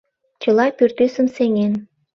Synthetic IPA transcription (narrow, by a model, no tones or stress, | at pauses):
t͡ɕəlɑpyrt̪ysəmseŋen